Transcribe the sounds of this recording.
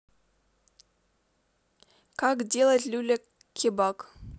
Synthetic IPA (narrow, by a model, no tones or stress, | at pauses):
kɑkdʲelˠətʲlʲʉlʲɘk | kʲʰːebɑk